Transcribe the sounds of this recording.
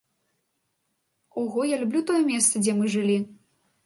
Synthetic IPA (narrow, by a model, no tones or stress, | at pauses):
ɔɣɔjalʲubʲlʲut̪ɔjɛmʲɛst̪sɐd͡zʲɛmɨʐɨlʲi